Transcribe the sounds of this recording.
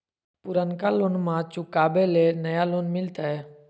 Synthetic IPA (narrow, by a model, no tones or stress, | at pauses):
pʊɾənkaloːnmãt͡ʃʊkaːbeleːnəjaloːnmɪlt̪aɦɛː